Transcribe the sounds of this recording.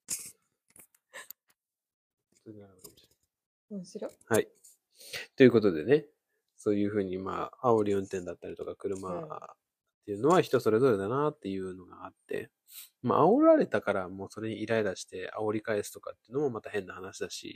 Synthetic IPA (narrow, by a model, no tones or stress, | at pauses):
t̪oɲiaɾkamɕ | ɕɾohai | t̪o̞jɯ̟ko̞t̪od̪e̞ne̞ | so̞ːjɯ̟ːɸɯ̟ːɲ̟ima̰ːao̞ɾʲiõnt̪ẽnd̪at̪ːaɾit̪okakɯ̟ɾɯ̟ma | t̪ːe̞jɯ̟ːno̞βaçi̥t̪o̞so̞ɾe̞zo̞ɾe̞d̪anat̪ːe̞jɯ̟ːno̞ɡa̰ːt̪ːe̞̰ | ma̰ʔao̞ɾaɾe̞t̪akaɾamo̞ːso̞ɾe̞ɲ̟iːɾae̞d̪aɕi̥t̪e̞a̰o̞ɾʲikae̞sɨ̥t̪o̞kat̪ːeiɯ̟no̞mo̞mat̪aɦẽ̞nːahanaɕid̪aɕḭ